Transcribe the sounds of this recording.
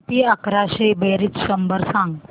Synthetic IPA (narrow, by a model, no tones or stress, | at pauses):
t̪iakɾaɕebeɾit͡sʃəmbəɾsãŋɡ